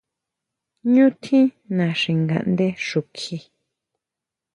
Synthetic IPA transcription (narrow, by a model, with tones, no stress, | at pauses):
ɲũ˦t̪ʰĩ˦ | nã˨ʂĩ˨ŋɡa̰˨ʔnd̪e˦ʂu˨kʰi˧